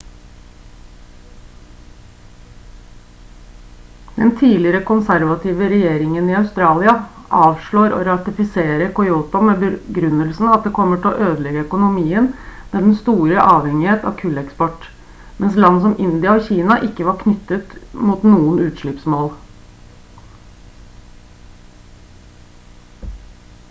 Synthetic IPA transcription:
d̪̥ɛnt̪ʰiːlɪɾəkʰʊnsæɾʋɑt̪ʰiːʋəɾɛjeːɾɪŋəniːɑʉst̪ɾɑːlɪɑʔɑːʋʂɭoːɾo̰ːɾɑt̪ɪfɪseːɾəkʰʊɪuːt̪ʊmeːbəɡɾʉnːəlsn̩ɑt̪̚d̪eːkʰɔmːəʈʰɪlɔ̰ʔøːd̪əlɛɡəœkʊnʊmiːənmeːd̪ɛnst̪uːɾəʔɑːʋhɛŋɪheːt̪ɑ̰ʋkʰʉlɛkspɔʈː | mɛnslɑnːs̬ɔmʔɪnd̪ɪɑoçiːnɑʔɪkːəʋɑɾkʰnʏt̪ːət̪muːt̪nuːənʉːt̪ʂɭɪpsmoːl

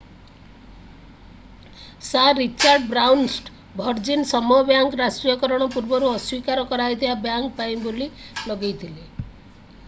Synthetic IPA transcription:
saɾit͡ʃaɾɖbɾawnsʈ | bʱɔɾd͡ʒinsɔmuɦɔbjaŋkɾasʈɾijɔkɔɾɔɽ̃ɔpuɾbɔɾuɔswikaɾɔkɔɾajt̪ʰibabjaŋk̚paj̃bolilɔɡejt̪ʰile

